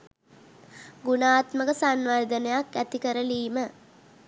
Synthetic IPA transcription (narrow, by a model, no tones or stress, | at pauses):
ɡunaːt̪məɡəsanʋərd̪ənəjakːæt̪ikəɾəliːmə